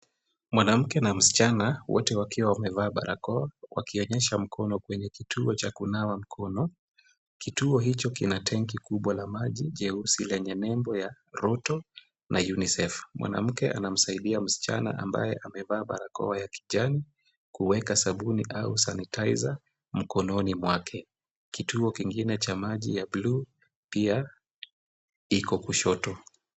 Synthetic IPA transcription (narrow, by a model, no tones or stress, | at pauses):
mwanam̩kɛnam̩si̥t͡ʃanawɔ̰tɛwakiwawamɛvaːɓa̰ɾa̰kɔawa̰kiɔɲɛʃam̩kʰɔnɔkwɛɲɛkitʰuɔt͡ʃakunawam̩kʰɔnɔ | kituɔɦit͡ʃɔkinatʰɛŋkikuɓwalamaʄiʄɛusilɛɲɛnɛmbɔja | ɾɔtɔ | nʔajunisɛfmwʔa̰na̰m̩kɛʔa̰nam̩saiɗiam̩si̥t͡ʃa̰na̰ʔa̰mba̰jɛʔamɛvaːɓa̰ɾakɔ̰wajaki̥ʄani | kuwɛkasaɓuniʔausanitʰaiza | m̩kɔnɔnimwakʰɛ | kituɔkiŋɡinɛt͡ʃamaʄijablu | pia | ikɔkuʃɔtɔ